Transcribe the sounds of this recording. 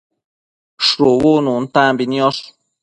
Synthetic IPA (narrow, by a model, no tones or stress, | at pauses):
ʃɾowonũn̩t̪ãːmbiniɔs